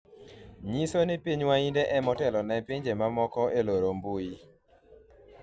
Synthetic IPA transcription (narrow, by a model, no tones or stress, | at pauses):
ɲisonɪpiɲwaindeʔɛmɔtɛlɔnɛpiɲd͡ʒemamɔkɔeloɾombui